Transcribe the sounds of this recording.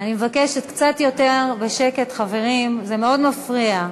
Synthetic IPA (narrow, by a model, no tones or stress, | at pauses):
animevakeʃetkt͡satjo̞teʁbe̞ʃeke̞tχave̞ʁimzeme̞o̞dmafʁia